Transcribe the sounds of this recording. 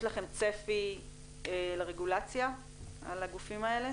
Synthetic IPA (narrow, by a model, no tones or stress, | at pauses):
ʃlaχe̞mt͡se̞fi | eleʁeɡulat͡sja | a̰laɡufimae̞le̞